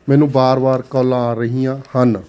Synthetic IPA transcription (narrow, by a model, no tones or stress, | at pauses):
mɛːnũːbaːɾbaːɾkɔːlãːɾəɦijãːhən